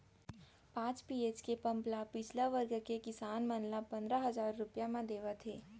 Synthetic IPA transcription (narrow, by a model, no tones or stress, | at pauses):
pãːt͡ʃpiːeːt͡ʃkepɐ̃mplapɪt͡ʃʰlaʋəɾɡkekɪsaːnmɐnlapɐ̃nd̪ɾaɦɐzaːɾːʊpjamãd̪eːʋat̪ʰeː